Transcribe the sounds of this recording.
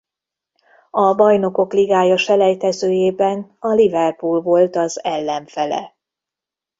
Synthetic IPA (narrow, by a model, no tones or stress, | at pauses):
ɒbɒjno̞ko̞kliɡaːjɒʃɛlɛjt̪ɛzøːjeːbɛnɒlivɛrpulvo̞lt̪ɒzɛlːɛɱfɛlɛ̰